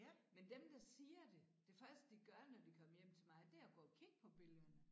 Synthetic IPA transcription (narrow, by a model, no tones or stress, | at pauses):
mend̥emd̥ɑ̈siːɐd̥e̝d̥e̝fɶɐsd̥əd̥iɡ̥ɶɐnɒd̥ikʰɒ̽məjem̰t͡sʰe̝lmɑ̈ɪd̥æɐɐɡ̥ɒ̰ːɒkʰiɡ̥̚pʰɒ̽b̥e̝lðˠɐnə